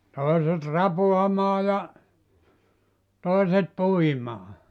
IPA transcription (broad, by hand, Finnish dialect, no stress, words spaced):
toiset rɑpuɑmɑː jɑ toˑiset puimɑː